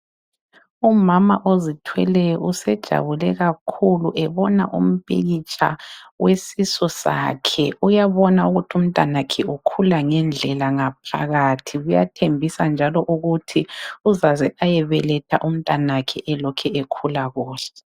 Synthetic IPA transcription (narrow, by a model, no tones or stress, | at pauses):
umamaʔozitʰwɛ̰lɛjɔusɛd̥ʒ̥ʱa̰βulɛɣakʰuluʔɛβɔna̰ʔṵm̩pʼḛɣit͡ʃʼa̰wesisɔsa̰ːkʰɛujaβɔnauɣutʰium̩tʼanakʰɛukʰulaŋɛnd͡ɮʱɛlaŋapʰa̰ɣaːtʰiɣuja̰tʰembʱisand͡ʒʱalɔʔuɣutʰiuzazɛajɛβɛlɛtʰa̰ʔum̩tʼanakʰɛʔɛlɔkʰɛekʰulaɣɔːɬɛ